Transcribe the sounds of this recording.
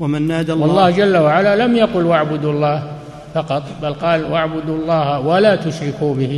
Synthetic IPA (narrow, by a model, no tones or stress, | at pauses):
wamɪnːaːd̪awɑlˤːɑːhd͡ʒalːawaʕalalamjaqʊlwaʕbʊd̪uɑlˤːɑːh | fɑqɑt̪ˤbalqɑːlwaʕbʊd̪uɑlˤːɑːhawalat̪ʊʃɾɪkuːbɪhɪ